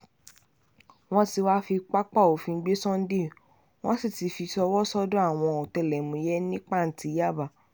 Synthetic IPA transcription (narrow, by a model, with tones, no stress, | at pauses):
w̃ɔ̃˦ti˧wa˦fi˧k͡pa˦k͡pa˦˨o˨fĩ˧˦ɡ͡be˦sɔ̃˦n̩˦de˦˨ | w̃ɔ̃˦si˦˨ti˧fi˧sɔ˧wɔ˦sɔ˦dõ˦a˦˨w̃ɔ̃˧o˨tɛ˧˨lɛ˨mũ˨˧jɛ˦nĩ˦k͡pa˦˨n̩˨ti˧˦ja˦˨ba˨